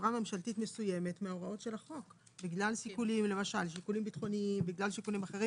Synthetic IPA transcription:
ʁame̞mʃaltitme̞suje̞me̞tmeaoʁao̞tʃe̞laχo̞k | biɡlalsikulimlemaʃalʃ̬ikulimbit̪χo̞niimbiɡlalʃikulimaχeʁim

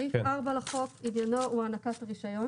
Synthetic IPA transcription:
ifaʁbalaχokimjanouanakatʁiʃajo

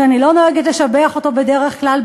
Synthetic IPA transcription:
anilo̞noeɡetleʃabeaχo̞to̞be̞deʁeχklalb

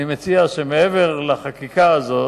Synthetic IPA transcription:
imet͡siaʃemeeveʁlaχakikaːzo̞

